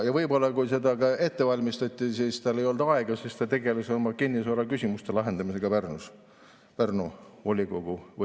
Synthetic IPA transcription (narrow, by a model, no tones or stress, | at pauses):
jɑvɤjbo̞lːɑkujse̞d̪ɑkɑe̞t̪ːe̞vɑlʲmist̪ɑt̪ʲːˑisist̪ɑle̞jo̞ld̪̥ɑɑeɡ̥ɑsist̪ɑt̪e̞ɡe̞lesolmɑkinːisoɾɑkysʲimust̪e̞lɑɦe̞nd̪ɑmise̞ɡ̥ɑpærnus | pærnuolʲiɡ̥o̞ɡ̥uv